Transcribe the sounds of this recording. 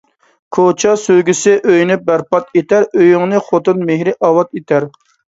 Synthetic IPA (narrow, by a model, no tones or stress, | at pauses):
kʰot͡ʃʰɑsøɡʲysɪʔøjnyp̚bæɾpɑt̪et̪æɾøjyŋnɨχot̪ɨnmeɦɾɪʔɑwɑt̪et̪ʰæɾ